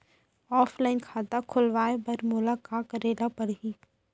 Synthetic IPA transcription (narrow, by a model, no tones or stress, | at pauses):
aːfʰlaːɪnkʰaːt̪akʰʊlʋaːebɐɾmʊlakaːkɐɾeːlapɐɽɦiː